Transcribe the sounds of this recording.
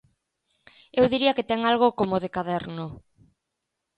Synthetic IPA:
ewðiɾiɐkɪt̪ɛŋalɣ̞okomoð̞ekaðɛɾnʊ

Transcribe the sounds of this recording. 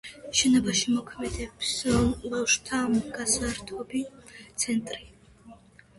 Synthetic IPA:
ʃɛnɔbaʃimɔkʰmɛd̪ɛpsbafʃt̪ʰaɡ̥asaɾt̪ʰɔbit̪sʰɛnt̪ʼɾi

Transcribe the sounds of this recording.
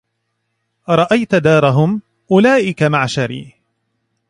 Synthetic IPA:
ɾˤɑʔajt̪d̪ɑːɾˤɑɦʊm | ʔʊlaːʔɪkamaʕʃaɾḭː

